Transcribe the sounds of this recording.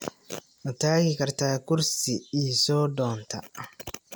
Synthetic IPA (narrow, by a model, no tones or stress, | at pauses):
wɐtaːɡɪkɐrt̪aːkʊɾsɪiːsɔːdɔːnt̪ʰɐ